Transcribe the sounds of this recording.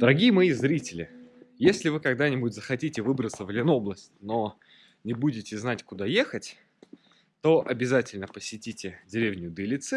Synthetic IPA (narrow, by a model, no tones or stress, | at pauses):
d̪əɾɐɡʲijəmɐjizɾʲitʲɪlʲɪ̰jesʲlʲɪvɨkɐɡd̪anʲɪbʊtʲzəxɐtʲitʲɪvɨbɾət̪səvlʲɪno̞blˠəsʲtʲno̞ | nʲɪbudʲɪtʲɪznatʲkʊd̪ajexətʲ | t̪o̞ʔɐbʲɪzatʲɪlʲnəpəsʲɪtʲitʲɪdʲɪɾʲevnʲʊd̪ɨlʲɪt̪sɛ